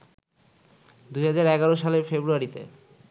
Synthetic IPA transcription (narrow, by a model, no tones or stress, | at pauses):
d̪ujɦad͡ʑaɾɛɡaɾoʃaleɾfebɾuaɾit̪ḛ